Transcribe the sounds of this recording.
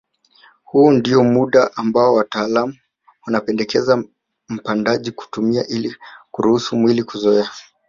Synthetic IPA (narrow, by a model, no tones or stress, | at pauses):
huːndiɔmuɗaʔambaɔwataːlamu | wanapɛndɛkɛza | m̩pandaʄiku̥tumiaʔilikuɾuhusumwilikuzɔɛa